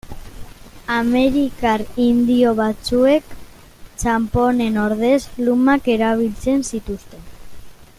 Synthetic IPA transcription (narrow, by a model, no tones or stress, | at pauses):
ame̞ɾikaɾind̪io̞β̞at͡sue̞k | t͡ʃampo̞ne̞no̞ɾðe̞zlumake̞ɾaβ̞ilt͡se̞nsit̪ust̪e̞n